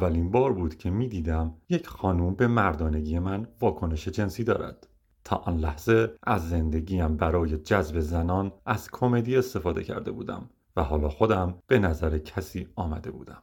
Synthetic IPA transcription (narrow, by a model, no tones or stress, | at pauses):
ævːælinbɒːɾbuːd̪cʰe̞miːd̪iːd̪æmje̞cʰxɒːnuːmbe̞mæɾd̪ɒːneɟije̞mænvɒːkʰo̞ne̞ʃed͡ʒe̞nsiːd̪ɒ̰ːɾæ̰d̪̥ | t̪ʰɒ̰ːʔɒnlæhz̥e̞ʔæzːe̞nd̪e̞ɟiːæmbæɾɒːje̞d͡ʒæzbe̞zænɒːnʔæz̥kʰo̞me̞d̪iːe̞st̪e̞fɒːd̪e̞̰cʰæ̰ɾd̪e̞buːd̪æ̰m | væɦɒːlɒːxo̞d̪æmb̥e̞næzæɾecʰæsiːɒːmæ̰d̪e̞bṵːd̪æm